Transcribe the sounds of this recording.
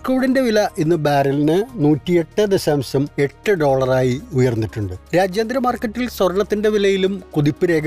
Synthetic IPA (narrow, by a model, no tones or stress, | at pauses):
kuːɽinde̞ʋilɐʔinːɨbaːɾɐlnɨnuːtːije̞ʈːɨd̪ɐɕaːmsɐme̞ʈːɨɖo̞ːɭɐraːjiujɐrnːitːuɳɖɨɾaːd͡ʑjaːnd̪ɾɐmaːrkːɐtːilswɐɾɐɳɐt̪ːinde̞ʋilɐjilumkuðipːiɾe̞ːɡɐ